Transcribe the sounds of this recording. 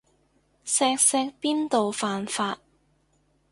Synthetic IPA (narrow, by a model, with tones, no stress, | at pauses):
sɛː˧k̚sɛː˧k̚piː˥nt̪o˨wfaː˨nfaː˧t̚